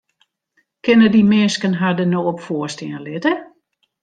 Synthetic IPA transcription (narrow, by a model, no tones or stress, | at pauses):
kɪnədimɪnskənɦadənoːɔpfoəstɪənlɪtə